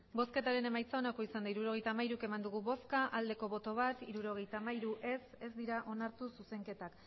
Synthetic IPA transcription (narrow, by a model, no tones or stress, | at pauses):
bo̞ske̞t̪aɾe̞ne̞majt͡sao̞nako̞isand̪aiɾuɾo̞ɣejt̪aːmaiɾuke̞mand̪uɣ̞uβo̞skaʔald̪e̞ko̞βo̞t̪o̞β̞at̪iɾuɾo̞ɣ̞e̞jt̪aːmaiɾuʔe̞se̞zd̪iɾaʔo̞naɾt̪ususe̞ŋke̞t̪ak